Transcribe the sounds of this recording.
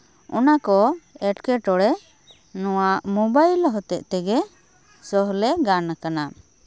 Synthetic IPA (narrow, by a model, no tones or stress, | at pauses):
ɔ̰nakɔɛʈkɛʈɔɽɛ | nɔwaʔmɔbajlɔɦɔt̪ɛʔt̪ɛɡɛ | sɔɦlɛɡanakana